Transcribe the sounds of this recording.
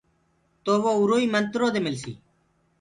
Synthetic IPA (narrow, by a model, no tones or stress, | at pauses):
t̪oːʋoːuɾoːiːmənt̪ɾoːd̪eːmɪlsḭː